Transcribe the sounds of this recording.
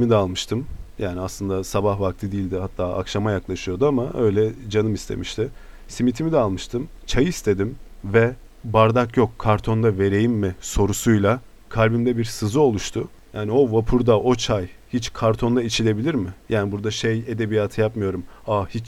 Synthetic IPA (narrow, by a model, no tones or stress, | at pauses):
mid̪ɛalˠmɯʃt̪ʰɯmjaːniaslˠɯnd̪asabahvak̚t̪ʰɯd̪iːlʲd̪ɪhat̪ʰːaːʔa̰kʃamajaklˠaʃɯjo̞d̪uamaʔø̞jlʲɛd͡ʒanɯmist̪ʰe̞̰miʃt̪ʰɪ | simit̪ʰimid̪ɛalˠmɯʃt̪ʰɯmt͡ʃʰajɯist̪ʰe̞d̪imvɛ | baɾd̪akjo̞kʰːaɾt̪ʰo̞nd̪ave̞ɾe̞jimːɪso̞ɾusujlˠa | kʰalʲbimd̪ɛbiɾsɯzɯo̞lˠuʃt̪ʰʊ | jaːnio̞vapʰuɾd̪aʔo̞t͡ʃʰajhit͡ʃkʰaɾt̪ʰo̞nd̪ait͡ʃʰilʲe̞bilʲiɾmɪjʔaːnibuɾd̪aʃeje̞d̪e̞bijaːt̪ʰɯjapmɯjo̞ɾumahit͡ʃ